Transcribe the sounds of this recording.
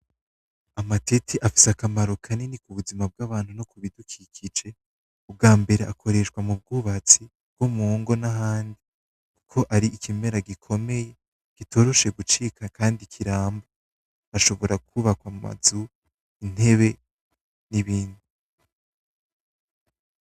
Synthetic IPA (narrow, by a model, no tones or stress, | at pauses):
amatetʰiʔafi̥sakamaɾokʰaninikuβuzimab̚ɡaβaːn̥hunokuβidukʰikʰid͡ʒe̞ | ub̚ɡaːmbe̞ɾeʔakʰo̞ɾe̞ʃkwamub̚ɡuːβat͡si | bɡ̥omuːŋɡo̞naɦaːndi | ku̥kʰo̞ʔaɾiʔikʰime̞ɾaɡikʰo̞me̞je̞ | ɡ̥itʰo̞ːɾo̞ʃe̞ɡut͡ʃikakʰaːndikʰiɾaːmba | aʃo̞βo̞ɾak̚ʰuβakwama̰zu | in̥e̞βe̞ | niβiːndi